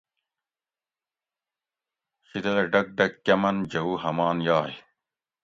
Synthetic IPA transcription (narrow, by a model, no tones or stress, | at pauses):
xid̪ɐd̪ɐɖɐk̚ɖɐkkːɐmɐnd͡ʑɐuːɦɐmaːnjaːj